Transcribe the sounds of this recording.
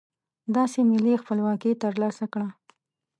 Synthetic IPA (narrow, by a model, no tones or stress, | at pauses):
d̪ɑsemɪlixpəlwɑkit̪əɾlɑsakɽa